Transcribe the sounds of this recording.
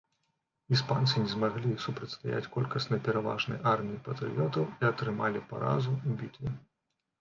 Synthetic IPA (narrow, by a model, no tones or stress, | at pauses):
ispant̪sɨnʲɛzmaɣlʲisupɾɐtʲst̪aja̰t͡sʲkɔlʲkɐsnɐjpʲɛɾava̰ʐnɐ̰jʔarmʲiipɐt̪ɾɨ̰jɔt̪ɐwiɐt̪ɾɨmalʲipa̰ɾa̰zuuvʲit̪ʲvʲi